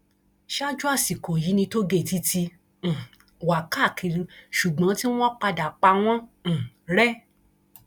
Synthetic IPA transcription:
ʃa˦d͡ʒu˦a˦˨si˨ko˨ji˨˦nĩ˧to˦ɡe˦˨ti˧˦tĩ˧˨ | wa˨ka˦˨kʰi˧ɾĩ˧ʃu˨ɡ͡bã˨˦tĩ˦ɔ̃˦k͡pa˧da˨k͡pa˧w̃ɔ̃˦˨ | ɾɛ˦

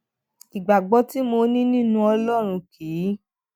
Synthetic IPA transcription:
i˨ɡ͡ba˨ɡ͡bɔ˧ti˦mo˧˦nĩ˦nĩ˦nũ˧ɔ˧lɔ˦˨ɾ̃ũ˧kʰi˨˦

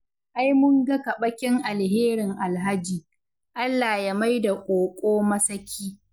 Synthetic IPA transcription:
ʔa˦jmʊ˦ŋɡɐ˦kɐ˨ɓɐ˦kʲɪ˦ŋʔa˨lɦeː˦ɾɪ˨ŋʔa˨lɦa˦d͡ʒiː˨ | ʔa˦lːa˨ja˦ma˦jda˨kʷʼoː˨kʷʼoː˦mɐ˦sɐ˦kʲʰiː˦

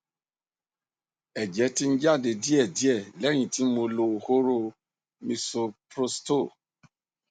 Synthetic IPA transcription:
ɛ˨d͡ʒɛ˨˦ti˦n̩˦d͡ʒa˦˨de˧di˦ɛ˦˨di˨˦ɛ˦˨lɛ˨˦ɾ̃ĩ˨ti˨˦mo˧lo˧ho˦ɾo˧˨ | mĩ˧so˧pɾo˧sto˦˨

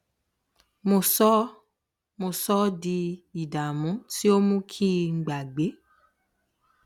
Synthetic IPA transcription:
mo˧sɔ˦ | mo˧sɔ˦di˧i˨da˨mũ˨˦ti˦o˦mũ˦kʰi˦ŋ̩˨ɡ͡ba˨ɡ͡be˨˦

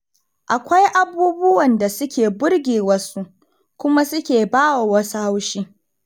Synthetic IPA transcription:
ʔa˨kʷa˦jʔa˨buː˦bʊ˦wɐ˨nda˨sʊ˦kʲeː˨bʊ˦rɡʲeː˨wɐ˦su˦ʔ | kʷʊ˦ma˦sʊ˦kʲeː˨baː˦wa˨wɐ˦su˦ha˦wʃiː˦

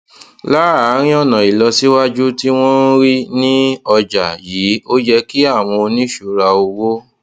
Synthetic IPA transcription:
la˦a˨˦ɾ̃ĩ˦ɔ˦˨nã˨i˨lɔ˧si˦wa˦d͡ʒu˦ti˦w̃ɔ̃˦n˦ɾi˦nĩ˦ɔ˧d͡ʒa̰˨jiː˨˦o˦d͡ʒɛ˧ki˦a˦˨w̃ɔ̃˧o˧nĩ˦ʃu˧ɾa˧o˧wo˦

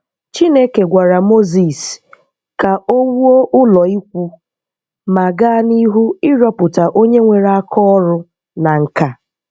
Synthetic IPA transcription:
t͡ʃi˦ne˦ke˨ɡʷa˨ɾa˨mo˦zi˨s | ka˨ʔo˦ŋu˦o˦ʔʊ˦lɔ˨i˦kʷu˦ | ma˨ɡa˦ni˦ɦu˦ɪ˦ɾɔ˦pʊ˨ta˨ʔo˦ɲe˦ŋʷe˨ɾa˦kʰɔ˦ɾʊ˦ | na˨ŋ̩˨ka˨

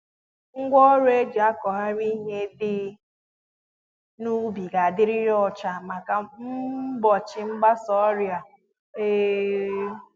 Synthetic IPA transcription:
ŋ̩˦ɡʷɔ˦ɾe˦e˦d͡ʒa˦kɔ˨ɦa˦ɾi˦ɦe˦dɪ˦ | nu˦bi˨ɡa˨a˨dɪ˦ɾɪ˦ɾɔ˦t͡ʃa˨ma˨ka˨m̩˦bɔ˨t͡ʃɪ˨ŋ͡m̩˦ɡ͡ba˦sɔ˦ɾja˨ | e˦

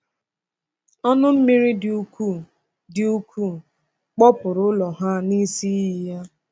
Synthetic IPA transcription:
ɔ˦nʊ˦m̩˦mi˦ɾi˦du˦ku˦˨ | dɪ˨u˦kʰu˦˨ | k͡pɔ˦pʊ˨ɾʊ˨˦lɔ˨ɦa˦ni˦si˦i˦ja˦

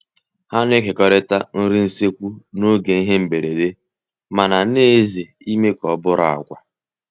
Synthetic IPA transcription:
ha˦n˦e˦kɪ˨kɔ˦ɾɪ˦ta˦n̩˦ɾi˦n̩˦se˦kʷu˦no˦ɡe˨i˦ɦe˦m̩˨be˨ɾe˨le˦ | ma˨na˨ne˦ze˨ | i˦me˦kɔ˨˦bʊ˦ɾa̰˨a̰˨ɡʷa̰˨

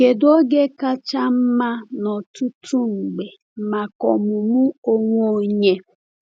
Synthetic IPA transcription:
ɡe˨do˦ɡe˦ka˦t͡ʃa˦m̩˦ma˦nɔ˨tu˦tʰu˦ŋ͡m̩˨ɡ͡be˨ | ma˨kɔ˨mʊ˨mʊ˦o˦ŋʷ˦o˦ɲe˦

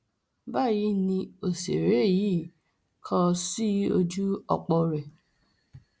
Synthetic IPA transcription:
ba˦˨ji˧˦nĩ˧o˨se˨ɾe˨˦˨ji˨˦˨ | kʰɔ̃˧si˦o˧d͡ʒu˦ɔ̰˧k͡pɔ˧ɾɛ˨

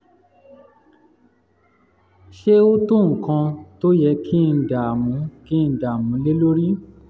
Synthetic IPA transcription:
ʃe˦o˦tũ˦˨ŋ̩˨kã˧to˦jɛ˧˦kʰĩ˦n̩˧˦da˨mũ˨˦kĩ˦˨˦da˨mũ˨˦le˦lo˦ɾi˦

